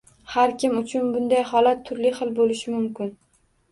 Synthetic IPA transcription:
haɾkʲʰɪmʊt͡ʃʰʊnbʊnd̪ajhɒlat̪ʰːʊɾlɪχɨlˠbolɪʃɪmʊmkʲɪn

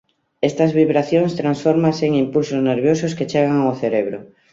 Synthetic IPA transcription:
est̪azβiβɾaθjoŋst̪ɾãnsfoɾmaseŋimpulsozneɾβjososket͡ʃeɣ̞aŋoθeɾeβɾo

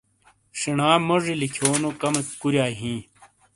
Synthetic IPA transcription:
ʂiɳaːmoʐilikʰoːnokɐmekuɾjaːɦĩː

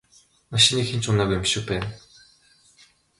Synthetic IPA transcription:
maʃĭniːkxent͡ɕʊnaːɣujmʃʊ̆k̚pæːn

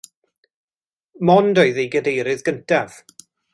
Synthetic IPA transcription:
mɔndɔɨðejɡədejɾɨðɡəntʰav̥

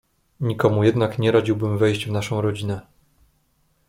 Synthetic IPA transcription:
ɲikɔmujɛd̪nakɲɛɾad͡ʑiwbɘmvɛjʑd͡ʑvnaʂɔ̃w̃ɾɔd͡ʑinɛ

